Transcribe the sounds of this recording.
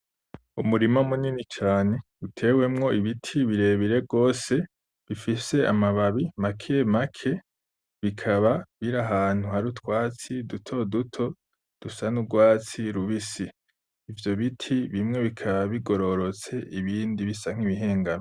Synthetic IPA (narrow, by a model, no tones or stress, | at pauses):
umuɾimamuninit͡ʃaːne̞ | utʰe̞ːwe̞mŋo̞iβitʰiβiɾe̞ːβiɾe̞bɡo̞ːse̞ | βifise̞a̰maβaβimakʰemakʰe̞ | βikʰaβaβiɾaɦaːn̥huhaɾutwaːt͡sidutʰo̞dutʰo̞ | d̥usanuɡwaːt͡siɾuβisiː | vjo̞βitʰiβimŋe̞βikʰaβaβiɡo̞ɾo̞ɾo̞t͡se̞ʔiβiːndiβisaŋ̥iβiɦe̞ːŋɡano